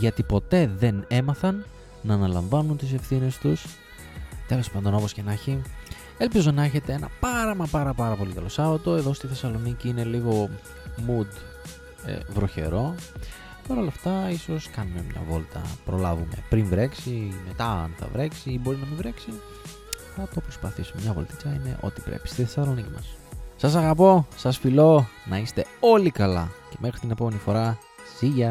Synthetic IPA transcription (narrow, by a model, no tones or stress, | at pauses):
ʝɐt̪ipo̞t̪e̞ðe̞ne̞mɐθɐnː | ɐːnɐlɐɱvɐnunt̪ise̞fθine̞st̪us | t̪e̞lo̞spɐnd̪o̞no̞po̞sce̞nɐçi | e̞lpizo̞nɐeçe̞t̪eenɐpɐɾɐmɐpɐɾɐpɐɾɐpo̞likɐlo̞sɐvɐt̪o̞e̞ðo̞st̪iθe̞sɐlo̞niciine̞liɣo̞ | mud̪ | ḛvɾo̞çe̞̰ɾo̞ | pɐɾo̞lɐft̪ɐiso̞skɐnume̞̰mɲɐ̰vo̞lt̪ɐ̰pɾo̞lɐvume̞̰pɾinvɾe̞ksime̞t̪ɐɐ̰nθɐ̰vɾe̞ksiibo̞ɾinɐmivɾeksi | θɐt̪opɾo̞spɐθisumemɲɐvo̞lt̪icɐine̞̰ʔo̞̰t̪i̥pɾḛpi̥st̪iθesɐlo̞nicimɐsːɐsɐɣɐpo̞sɐsfilo̞nɐist̪e̞o̞likɐlɐce̞me̞xɾit̪ine̞po̞me̞nifo̞ɾɐ | siʝɐ